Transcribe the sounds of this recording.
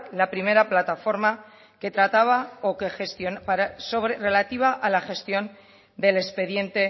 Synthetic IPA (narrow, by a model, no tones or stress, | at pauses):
lapɾime̞ɾaplat̪afo̞ɾma | ke̞t̪ɾat̪aβ̞aoke̞xest̪jo̞npaɾasoβɾere̞lat̪iβ̞aʔalaxe̞st̪jo̞n | d̪e̞le̞spe̞ðjẽ̞nt̪e̞